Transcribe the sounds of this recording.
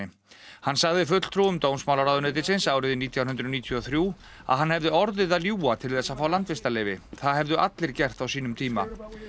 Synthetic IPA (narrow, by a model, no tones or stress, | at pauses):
ɪ | hanːsaɣðɪfʏt̪l̥t̪ʰɾuːʏmt̪oːwnsmawlaɾaːðʏnɛt̪̬ɪnsɪnsaːwɾɪðɪniːt̪ʰjawɦʏnd̪ɾʏniːt̪ʰjɔθɾjuː | a̰ðɦanːhɛvðɪɔɾðɪðaðljuːat̪ʰɪlθɛsːafaːwlant̪vɪst̪alɛːjvɪθaðɦɛvðʏʔat̪lɪɾ̥cɛr̥t̪awsiːnʏmt̪ʰiːma̰